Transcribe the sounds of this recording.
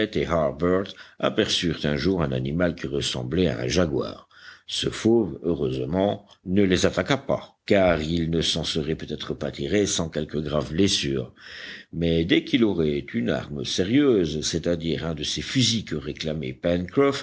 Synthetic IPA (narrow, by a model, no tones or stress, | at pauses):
ɛt̪eɦaʁbœʁt̪a̰pɛʁsyʁt̪ɛ̃ʒuʁɛ̃na̰nimalkʲiʁəsɑ̰̃blɛa̰ɛ̰̃ʒaɡwa̰ːʁ | səfovøʁøzmɑ̃ | nəlezat̪akapa̰kaʁilnəsɑ̃səʁɛpøt̪ɛt̪χəpat̪ʰiʁesɑ̃kɛlkəɡʁavblɛsyːʁmɛd̪ɛkilɔʁɛt̪ʰyna̰ʁməseʁjøːzsɛt̪ad̪iːʁɛ̃d̪əsefyzikəʁeklamepɛnkχɔf